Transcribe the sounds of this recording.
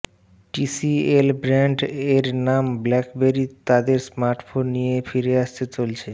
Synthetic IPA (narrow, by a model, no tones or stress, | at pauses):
ʈisielbɾɛɳɖeɾnamblɛkbeɾit̪ad̪eɾsmaɾʈfonːijefiɾeaʃt̪et͡ɕolt͡ɕʰe